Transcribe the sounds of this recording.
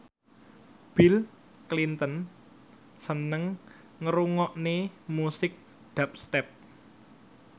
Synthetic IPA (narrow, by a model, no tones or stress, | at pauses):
b̥il | klint̪ən | sənəŋ | ŋəɾuŋɔʔnemusɪk̚ | d̪̥a̤p̚st̪ɛp̚